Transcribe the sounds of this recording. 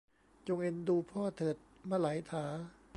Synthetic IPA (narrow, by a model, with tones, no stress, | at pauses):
t͡ɕo˧ŋʔe˧nduː˧pʰɔː˥˩t̪ʰɤː˨˩t̪̚ | maː˧˩la˩˦jt̪ʰaː˩˦